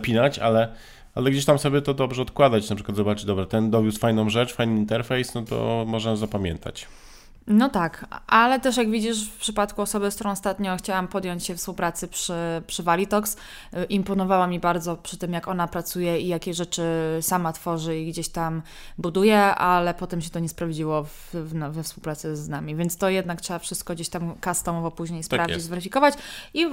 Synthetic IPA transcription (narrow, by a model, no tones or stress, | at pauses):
pʲinat͡ɕa̰lɛ | ʔa̰lɛɡd͡ʑeɕ̬t̪amsɔbʲɛt̪ɔd̪ɔbʐɛɔt̪̚kwad̪at͡ɕnapʂɘkwad̪zɔbat͡ʂɘd̪ɔbɾat̪ɛnd̪ɔvʲjusfajnɔ̃w̃ʐɛt͡ʂfajniint̪ɛɾfɛjsnɔt̪ɔ̰mɔʐnazapamʲjɛ̰nt̪ʰa̰t͡ɕ | nɔt̪akʔalɛt̪ɛʂjaɡvʲid͡ʑiʂfpʂɘpat̪kuɔsɔbɘskt̪uɾɔ̃w̃ɔst̪at̪ɲɔ̃w̃xt͡ɕawampɔd̪ʲjɔɲt͡ɕɕɛfspuwpɾat̪sɘpʂɘpʂɘvalʲit̪ɔks | ʔimpɔnɔvawamʲibaɾd̪zɔpʂɘ̥t̪ɘmjakɔnapɾat̪sujɛijakʲɛʐɛt͡ʂɘsamat̪fɔʐɘiɡd͡ʑeɕt̪am | bud̪ujɛalɛpɔt̪ɛmɕɛt̪ɔɲɛspɾavd͡ʑiwɔvvnvɛfspuwpɾat̪sɛznamʲivʲjɛntst̪ɔjɛd̪naktʂɛbafʂɘst̪̚kɔɡd͡ʑeɕt̪amkast̪ɔmɔvɔpuʑɲejspɾavd͡ʑizvɛɾɘfʲikɔvat͡ɕi